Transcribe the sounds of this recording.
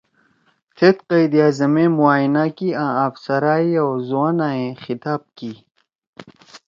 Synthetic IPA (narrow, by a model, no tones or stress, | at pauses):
t̪ʰet̪qɐjd̪ijaːzɐmẽmuaːjnakiãːɐfsɐɾaːiowzuwãnaːẽxit̪aːb̚kiː